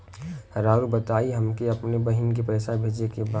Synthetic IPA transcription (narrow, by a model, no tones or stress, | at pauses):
ɾaːɾubət̪aːiɦɐmkeɐpnebɐɦɪnkipɛɪsabʱeːd͡ʒnekebaː